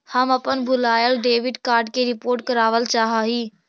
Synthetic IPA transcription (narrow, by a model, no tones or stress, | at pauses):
həmɐpənbʱʊlaːjəlɖeːʋɪɖkaːɾɖ̚keɾɪpoːɾʈ̚kɐɾaːʋəlt͡ʃaːɦaːɦiː